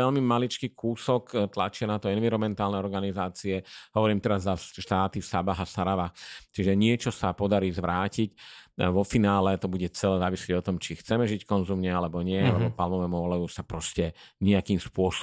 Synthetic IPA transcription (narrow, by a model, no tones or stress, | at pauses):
ɛlmimalit͡ʃkiːkuːsɔkt̪lat͡ʃɪanat̪ɔɛnʋiɾɔmɛnt̪aːlnɛɔɾɡanizaːt͡siɛɦɔʋɔɾiːmt̪ɛɾazːaʃt̪aːt̪isabaɦasaɾaʋaxt͡ʃiʒɛɲɪɛt͡ʃɔsapɔd̪aɾiːzʋɾaːcicʋɔfinaːlɛt̪ɔbuɟɛt͡sɛlɛzaːʋisliɟɔt̪ɔmt͡ʃixt͡sɛmɛʒickɔnzumɲɛalɛbɔɲɪɛalɛbɔpalmɔmɛmʊɔlajuːsapɾɔscɛɲɛakiːmspʊɔs